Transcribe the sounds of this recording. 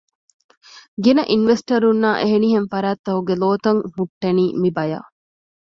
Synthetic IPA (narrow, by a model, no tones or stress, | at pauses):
ɡenɐʔinʋesʈɐɾunːaːʔeɦeniɦenfɐɾaːt̪ːɐɦuɡeloːt̪ɐŋhuʈːeniːmibɐja̰ː